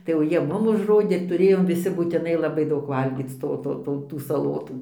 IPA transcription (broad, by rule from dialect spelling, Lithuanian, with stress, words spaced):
tɐɪ jɛʊ ˈjiɛ ˈmʊm ʊʒˈroːdʲeː tʊˈrʲeːjoːm ʋʲɪˈsʲɪ buːtʲɪˈnɐɪ lˠɐˈbɐɪ ˈdɐʊk ˈʋɐlʲɡʲiːt͡s ˈtoː ˈtoː ˈtoː tuː sɐˈlˠoːtuː